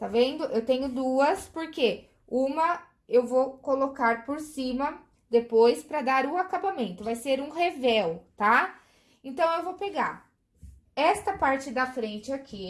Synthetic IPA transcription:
t̪avẽnd̪ʊʔewt̪ẽɲʊd̪uɐspoɾke | ũmɐ | ewvokolokaɾpoɾsĩmɐ | d̪epojspɾɐd̪aɾʊakabamẽnt̪ʊvajseɾũhevɛwt̪a | ẽnt̪ɐ̃w̃ewvowpeɡaɾ | ɛst̪ɐpaɾt͡ʃɪd̪ɐfɾẽnt͡ʃɪakʰi

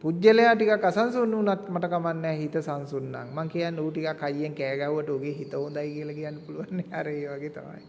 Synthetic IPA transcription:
pud͡ʒːəlejaːʈikakːasansunːəunat̪maʈəkamanːɛːɦit̪əsansunːa̰ŋmaŋkijanːeuːʈikakːajːeŋkɛːɡauʋəʈəoɡeːɦit̪əɦund̪ajkiəlakijanːəpuluʋanːeaɾəeːʋaɡeːt̪ʰa̰ma̰j

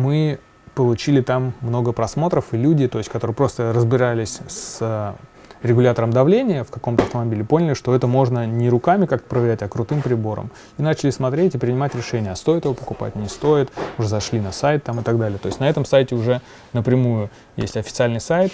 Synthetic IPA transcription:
mɨ | pəlˠʊt͡ɕilʲɪt̪amːno̞ɡəpɾɐsmo̞t̪ɾəfɨlʲudʲɪt̪o̞jɪsʲtʲkɐt̪o̞ɾɨjəpɾo̞st̪əɾəzbʲɪɾalʲɪsʲs | ɾʲɪɡʊlʲat̪əɾəmd̪ɐvlʲenʲɪjəfkɐko̞mt̪əɐft̪əmɐbʲilʲɪpo̞nʲɪlʲɪʂt̪oɛt̪əmo̞ʐnənʲɪɾʊkamʲɪkak̚t̪ə̥pɾəvʲɪɾʲætʲɐkɾʊt̪ɨmpɾʲɪbo̞ɾə̰m | inat͡ɕɪlʲɪsmɐt̪ɾʲetʲɪpɾʲɪnʲɪmatʲɾʲɪʂɛnʲɪjəɐst̪o̞jɪt̪ɨɪvopəkʊpa̰tʲnʲɪst̪o̞jɪt̪ʊʐɛzɐʂlʲinɐsajt̪ːamɨt̪ɐɡd̪alʲɪjət̪o̞ɪsʲtʲnɐɛt̪əmsajtʲɪʊʐɛ | nəpɾʲɪmujʊ | jḛsʲtʲɐfʲɪt̪sɨalʲnɨjsajt̪

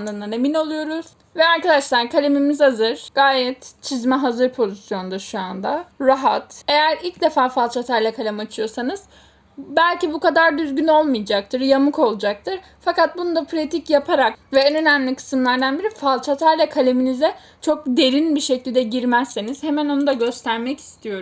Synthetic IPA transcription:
ɯnd̪anemino̞lˠujo̞ɾuz̥ | vɛaɾkad̪aʃlˠaɾkʰalʲe̞mimizazɯɾ̥ɡ̥aːjɛt̪t͡ʃʰizmɛɦazɯɾpʰo̞zisjo̞nd̪aʃuand̪aɾaɦat̪e̞jæɾilʲcd̪e̞faːfalˠt͡ʃʰat̪ʰaɾlʲakʰalʲamat͡ʃʰɯjo̞sanɯz̥ | bælʲcibukad̪aɾd̪yzɟyno̞lˠmɯjad͡ʒak̚t̪ʰɯɾjamɯko̞lˠud͡ʒak̚t̪ʰɯɾ | fakat̪̚bunud̪apʰɾat̪ʰicjapʰaɾakvɛønø̞næmlʲikʰɯ̥sɯmlˠaɾd̪anbiɾifalˠt͡ʃʰat̪ʰaɾlʲakʰalʲeminizɛ | t͡ʃʰo̞k̚d̪e̞ɾinbiʃɛclʲd̪ɛɟiɾmæsːeniz̥he̞mæno̞nud̪aɟø̞st̪ʰæɾmɛci̥st̪ʰijo̞ɾum

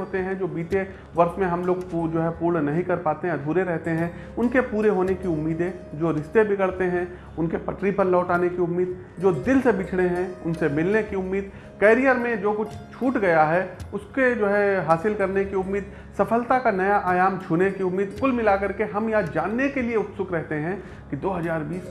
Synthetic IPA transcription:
ɦoːt̪eɦɛ̃d͡ʒoːbiːʈe | ʋɐɾʃmẽɦɐmloːɡd͡ʒoːɦɛpuːɾɳnɐɦĩkɐɾpaːt̪eɦɛ̃d̪ʱuːɾeɾɛɦt̪eɦɛ̃ | ʊnkepuːɾeɦoːnekiʊmːiːd̪ẽ | d͡ʒoːɾɪʃt̪ebʱɪɡɐɽt̪eɦɛ̃ | ʊnkepɐʈɾipɐɾlɔːʈaːnekiʊmːiːd̪̚ | d͡ʒoːd̪ɪlsebɪt͡ʃʰɽeɦɛ̃ʊnsemɪlnekiʊmːiːd̪ | kɛːɾijəɾmẽd͡ʒoːkʊt͡ʃʰt͡ʃʰuːʈɡɐjaɦɛʊsked͡ʒoːɦɛɦaːsɪlkɐɾnekiʊmːiːd̪ | sɐfʰəlt̪akanɐjaʔaːjaːmt͡ʃʰuːnekiʊmːiːd̪kʊlmɪlakɐɾkeɦɐmjad͡ʒaːnːekelieʊt̪sʊkɾɛɦt̪eɦɛ̃ː | kid̪oːɦɐzaːɾbiːs

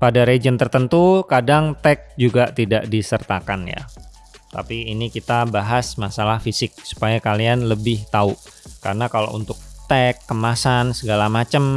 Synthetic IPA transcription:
padaɾed͡ʒənt̪ərt̪ənt̪ukadaŋt̪ɛk̚d͡ʒuɡaʔt̪idaʔdisərt̪akanja̰ | t̪a̰piːnikit̪abaɦasmasalahfisɪk̚su̥pajakalianləbɪht̪au | ka̰rənakala̰ʔṵnt̪ʊk̚t̪ɛkːəmasansəɡalamat͡ʃəm

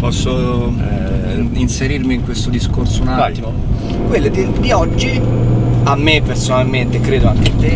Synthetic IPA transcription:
pɔsːo | inseɾirmiŋkwest̪od̪iskorsounaaimo | kwelːed̪ebiɔd͡ʒːi | amːepːersonalment̪ekɾeːd̪oaŋkeat̪ːe

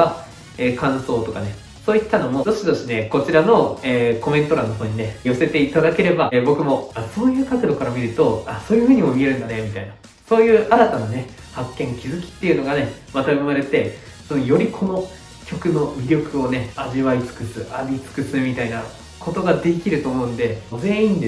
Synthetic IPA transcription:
a | eːkãɰ̃so̞ːt̪o̞kane̞ | soːit̪ːano̞mo̞d̪o̞ɕid̪o̞ɕine̞ko̞t͡ɕiɾano̞eːko̞mẽ̞nt̪o̞ɾãnːoɦo̞ːɲ̟inejo̞se̞t̪e̞it̪ad̪ake̞ɾe̞babo̞kɯ̟mo̞aso̞ːjɯ̟ːkat͡sɨd̪o̞kaɾamʲiɾɯ̟t̪o̞aso̞ːjɯ̟ɸɯ̟ːɲ̟imo̞mʲie̞ɾɯ̟̃nd̪ane̞mʲit̪aina | so̞ːjɯ̟ːʔaɾat̪anane̞ | hakːẽ̞ŋkʲizɨkʲi̥t̪ːe̞iɯ̟no̞ɡane̞mat̪abɯmaɾe̞t̪e̞ | sonojo̞ɾʲikʰo̞no̞ | kʲo̞kɯ̟no̞mʲiɾʲo̞kɯ̟o̞ne̞aʑiβait͡sɨ̥kɯsɨʔaɾʲit͡sɨ̥kɯ̟sɨmʲit̪aina | kʰo̞t̪o̞ɡad̪e̞kʲiɾɯ̟t̪o̞ːmo̞ɯ̟̃nd̪e̞ze̞ĩnd̪e

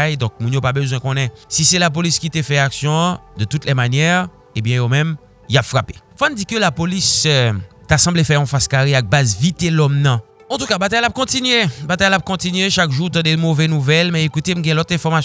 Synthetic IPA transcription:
jd̪ɔ̃k̚mũnjopabøzwɛ̃kɔ̃nɛ̃sisɛlap̬oliskʲit̪efɛaksjɔ̃d̪ət̪ut̪lɛmanjɛʁ | ebjɛ̃jomɛ̃m | japfʁape̥fand̪ikəlapolis | t̪asɑ̃blefɛʁɔ̃faskaʁeak̚bazvit̪elɔmnɑ̃ | ɑ̃t̪ukabat̪ajlap̚kɔ̃t̪inɥebat̪ajlap̚kɔ̃t̪inɥeʃakʒuʁt̪ɑ̃d̪emovɛnuvɛlmɛekut̪em̩ɡɛ̃lɔt̪ɛ̃fɔʁmas

